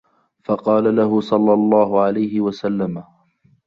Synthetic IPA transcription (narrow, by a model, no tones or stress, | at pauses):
fɑqɑːlalaɦʊsˤɑlːɑlˤːɑːɦʊʕalajhɪwasalːama